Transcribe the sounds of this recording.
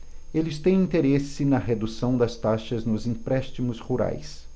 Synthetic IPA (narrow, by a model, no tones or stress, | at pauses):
elɪst̪ẽj̃ĩnt̪eɾesɪnɐɦed̪usɐ̃w̃d̪ɐst̪aʃɐznʊzĩpɾɛst͡ʃimʊshuɾa̰js